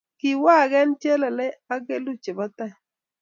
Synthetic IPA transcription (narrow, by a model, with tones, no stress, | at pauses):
kɪ˨wa˦˨ɡɛ˦nt͡ʃe˦lɛ˨lɛ˦a˦ɡe˦lu˦t͡ʃe˨bɔ˦t̪a˦˨